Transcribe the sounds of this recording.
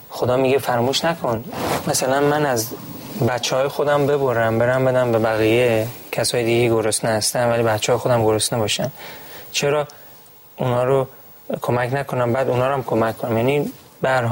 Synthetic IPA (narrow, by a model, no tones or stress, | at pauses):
xod̪ɒːmiɡefæɾmuːʃnækʰonmæsælænmænæz | bæt̪t͡ʃʰːehɒːjexod̪æmbe̞boɾæmbe̞ɾæmbe̞d̪æmbe̞bæɣijecʰæsɒːjed̪iɡejɡoɾosneæst̪ænvælibæt̪t͡ʃʰːɛɒːjeod̪æmɡoɾosnebɒːʃænt͡ʃʰeɾɒː | unhɒːɾo | kʰomæknækʰonæmbæːd̪unhɒːɾæmkʰomækʰːonæmjænibæɾɦ